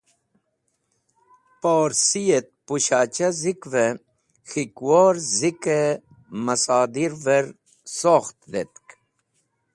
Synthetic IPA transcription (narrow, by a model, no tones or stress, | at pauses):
poːɾsijet̪̚puɕaːt͡ɕɐzikve | xikwoɾzike | mɐsaːd̪iɾveɾ | soxt̪d̪et̪k